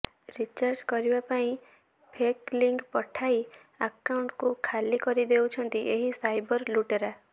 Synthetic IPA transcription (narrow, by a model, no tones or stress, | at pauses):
ɾit͡ʃaɾd͡ʒkɔɾibapaĩ | pʰekliŋkpɔʈʰai | akauɳʈkukʰalikɔɾid̪ewt͡ʃʰɔnt̪iʔeɦisajbɔɾluʈeɾa